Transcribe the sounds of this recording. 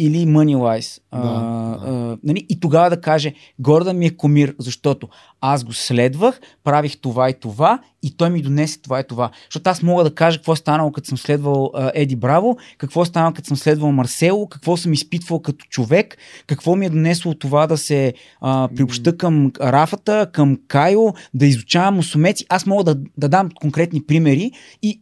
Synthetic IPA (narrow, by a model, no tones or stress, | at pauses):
ilimənʲilˠajs | nɐliʔit̪oɡavɐd̪ɐkaʒɛ | ɡɔɾd̪əmiɛkomiɾzɐʃt̪ɔt̪o | azɡoslɛd̪vəx | pɾavixt̪ovait̪ova | it̪ɔjmid̪onɛsɛ̥t̪ovait̪ova | ʃt̪ɔt̪oasmɔɡəd̪ɐkaʒəkəkvɔst̪anəlˠokɐt̪osəmslɛd̪vəlˠəʔɛd̪ibɾavokɐkvɔst̪anəlˠkɐt̪səmslɛd̪vəlˠmɐɾsɛlˠʊkɐ̥kvɔsɤmispit̪vəlˠkɐt̪o̥t͡ʃovɛkːɐkvɔmiɛd̪onɛslˠot̪ovad̪ɐsɛ | əpɾiopʃt̪ɤkəmɾafət̪əkəmkajod̪ɐizʊt͡ʃavɐmʊsʊmɛt̪si̥ʔasmɔɡəd̪ɐd̪ɐd̪amkoŋkɾɛt̪nipɾimɛɾi | i